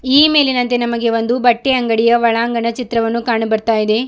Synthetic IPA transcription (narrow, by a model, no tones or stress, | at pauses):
iːme̞ːlinɐnt̪e̞nɐmɐɡe̞ʋond̪ubɐʈːeɐŋɡɐɽijɐʋɐɭaːŋɡɐɳɐt͡ʃit̪ɾɐʋɐnːukaːɳɐbɐɾt̪aːjid̪e̞